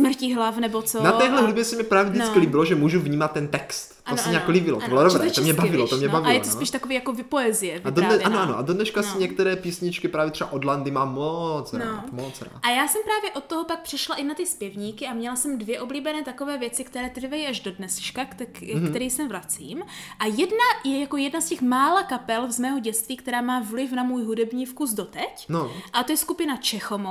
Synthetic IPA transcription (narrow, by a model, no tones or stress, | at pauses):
smr̩ciɦlafnɛbot͡sonat̪ɛːɦlɛɦɾubjɛsɛmɲɛpɾaːvjɛvɟt͡skɪliːbɪloʒɛmuːʒuvɲiːmat̪ːɛnt̪ɛkst̪tosɛmɲɛjakoliːbɪlo̰toɪlodobɾɛːt̪omɲɛbavɪlot̪omɲɛbavɪjɛt̪osiːʃt̪akoviːjakovɪpoɛzɪjɛvad̪odnɛanoʔanoʔadodnɛʃkasɪɲɛk̚t̪ɛɾɛːpiːsɲɪt͡ʃkɪpɾaːvjɛt̪rɛbaʔodlandɪmaːmːot͡sɾnaoːmot͡sɾa̰ːʔajaːsɛmpɾaːvjɛʔo̞t̪̚t̪ːoɦopak̚pr̝̥ɪʃlaʔɪnat̪ɪspjɛvɲiːkɪʔamɲɛlasɛmdvjɛʔo̞bliːbɛnɛːt̪ako̞vɛːvjɛt͡sɪkt̪ɛɾɛːt̪r̩vajiʔaʒdo̞dnɛsʃkakt̪ɛkk̪ɛɾiːjsɛmvɾat͡sḭːmʔajɛdnajɛjako̞jɛdnascɛxmaːlakapɛlzmɛːɦoɟɛt͡st̪viːkt̪ɛɾaːmaːvlɪfnamuːjɦudɛbɲiːfkusdot̪ɛcnoʔat̪ojɛskupɪnat͡ʃɛxomo